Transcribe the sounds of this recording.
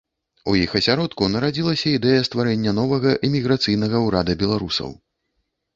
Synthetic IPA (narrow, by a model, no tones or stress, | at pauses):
ujixɐsʲaɾɔt̪kunɐɾad͡zʲilˠɐsʲɐid̪ɛjɐst̪vaɾɛnʲːɐnɔvɐɣɐʔimʲiɣɾat̪sɨjn̪ɐɣɐwɾad̪ɐbʲɛlˠaɾusɐ̰w